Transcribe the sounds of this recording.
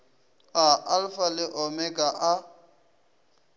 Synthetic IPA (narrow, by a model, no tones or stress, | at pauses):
aʔalfalɪʔɔmɛkʼaʔa